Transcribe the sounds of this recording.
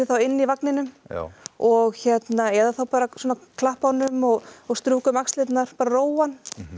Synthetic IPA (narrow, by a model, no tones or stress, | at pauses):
ɪθawɪnːivaknɪnʏm̰ | ɔɣçɛt̪naɛðaθawpaːɾaswɔːnakʰlahpanʏmɔɣɔɣst̪ɾuːkʏmakst̪lɪt̪naɾ̥paːɾaroːwan